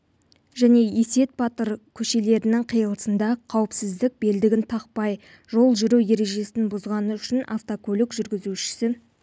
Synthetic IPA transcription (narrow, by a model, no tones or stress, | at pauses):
ʒæne̞ese̞t̪̚bɑt̪əɾkʲʰɵʃe̞le̞ɾɪnɪŋqʰijəlˠəsənd̪ɑqʰɑwəpsɪzd̪ɪk̚be̞ld̪ɪɡʲɪnt̪ʰɑq̚pɑj | ʒo̞lˠʒʏɾuwje̞ɾe̞ʒe̞sɪnbʊzʁɑnəʏʃɪna̰ft̪okʰɵlʲɪkʒʏɾɡʲɪzuʃɪ̥sɪ